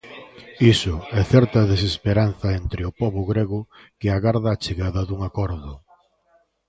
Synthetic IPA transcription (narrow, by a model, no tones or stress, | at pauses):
isʊɛθɛɾt̪ɐðesespeɾan̟θɐent̪ɾɪʊpɔβʊɣɾeɣʊ | kɪaɣaɾðaːt͡ʃeɣaðɐðuŋakɔɾðʊ